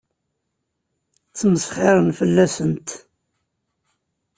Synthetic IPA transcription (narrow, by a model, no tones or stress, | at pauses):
t͡sːməsχɪɾˤənfəlːæsənt̪